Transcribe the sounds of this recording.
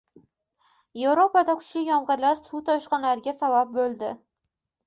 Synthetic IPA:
jevɾopad̪akʲʰʊ̥ʃlɪjɒmʁɨɾlaɾsut̪ʰɒʃqɑnlaɾɡʲasabap̚bolˠd̪ɪ

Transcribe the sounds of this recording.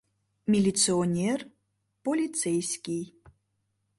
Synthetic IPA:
mʲilʲit̪sɨɔnʲer | polʲit̪sɛjsʲkʲij

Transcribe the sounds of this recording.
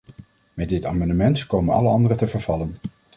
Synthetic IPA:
mɛtdɪta̰ːmɑndəmɛntkowmənɑ̰ləɑndərətəvəɹvɑlən

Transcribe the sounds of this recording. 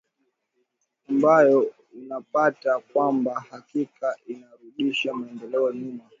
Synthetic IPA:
ambajɔ | unapatakwambahakikaʔinaɾuɗiʃamaɛndɛlɛɔɲuma

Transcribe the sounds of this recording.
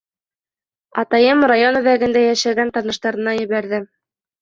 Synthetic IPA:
ɑt̪ɑjɤmrajonɘ̆ðæɡɘ̆nd̪æjæʃæɡænt̪ɑnɤ̆ʃt̪ɑɾɤ̆nɑjɘ̆βæɾðɘm

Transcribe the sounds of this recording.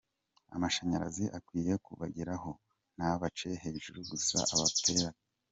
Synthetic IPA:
a̰maʃaɲaɾa̰ziʔakwiːje̞kuβaɟiɾaɦo̞ | n̥haβat͡ʃe̞he̞ːʒuɾuɡusa̰ʔaβate̞ɾa

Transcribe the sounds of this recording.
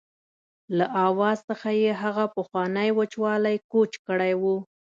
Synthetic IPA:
laʔɑwɑzsəxajeɦaɣapəxwɑnəjwət͡ʃwɑlajkot͡ʃkəɽajwu

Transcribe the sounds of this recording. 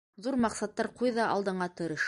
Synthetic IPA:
ðuɾmɑqsɑt̪ːɑɾqujðɑʔɑ̰lˠd̪ɤ̆ɴɑt̪ɤ̆ɾɤʃ

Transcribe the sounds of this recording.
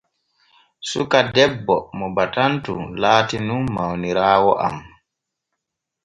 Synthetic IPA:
sukadɛbːɔmɔbatantṵlaːtinunmawniɾaːwɔʔa̰m

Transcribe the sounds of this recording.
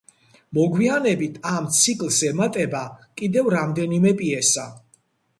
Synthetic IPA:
mɔɡwianɛbit̪ʰamt̪sʰikʼlˠsɛmat̪ʼɛbakʼid̪ɛvɾamd̪ɛnimɛpʼiɛsa

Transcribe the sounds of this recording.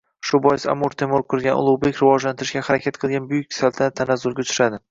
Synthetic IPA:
ʃʊbɒjɪsa̰moɾt̪ʰemoɾqʰʊɾˠɡʲanʊ̰lˠuwbekʲɾɪvɒd͡ʒlant̪ʰɪɾɪʃkʲahaɾakʲʰat̪qʰɨlˠɡʲanbʊjʊkʲsalt̪ʰɪnat̪ʰanazʊlɡʲaʊt͡ʃʰʊɾad̪ɪ

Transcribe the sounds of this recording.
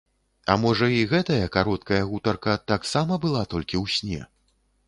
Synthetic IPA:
ɐ̰mɔʐɐiɣɛt̪ɐjɐkaɾɔt̪kɐjɐɣut̪ɐrkɐt̪aksamɐbɨlˠat̪ɔlʲkʲiwsʲnʲɛ

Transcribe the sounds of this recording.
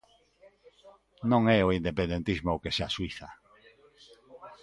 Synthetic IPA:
nõŋɛoind̪epẽnd̪ent̪izmookeseaswiθa

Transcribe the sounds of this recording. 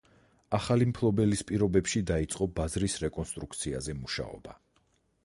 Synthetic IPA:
aχalimpʰlˠɔbɛlispʼiɾɔbɛpʃid̪ait̪sʼqʼɔbazɾisɾɛkʼɔnst̪ʼɾukʰt̪sʰia̰zɛmuʃa̰ɔ̰b̥a

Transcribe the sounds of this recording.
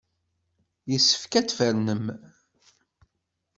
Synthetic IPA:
jəsːə̥fkæt͡sːfəɾnəm

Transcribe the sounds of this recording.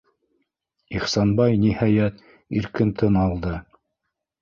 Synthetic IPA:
iχsɑnbɑjnihɑjæt̪ | iɾkɘnt̪ʰɤnɑlˠd̪ɤ

